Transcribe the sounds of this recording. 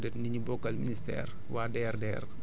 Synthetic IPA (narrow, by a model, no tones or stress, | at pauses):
dɛtniɲibɔkːɐlministɛ̰ːr | wadɛːrdɛːr